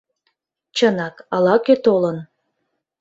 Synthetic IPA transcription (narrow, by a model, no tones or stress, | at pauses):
t͡ɕənɑkɑlɑkøt̪olən